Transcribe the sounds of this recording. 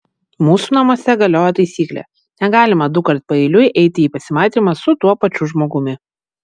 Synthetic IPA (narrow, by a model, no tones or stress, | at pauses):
muːsuːnɐmuɔsʲɛɡɐlʲoːjɛt̪ɐɪsʲiːklʲɛ̰ː | nʲɛɡɑːlʲɪmɐd̪ʊkɐɾʲt̪̚ʲpɐɛɪlʲʊɪʔɛɪt̪ʲɪiːpɐsʲɪmɑːˑɪt̪ʲimɐsʊt̪uɔpɐt͡ʃʲʊʒmoːɡʊmʲɪ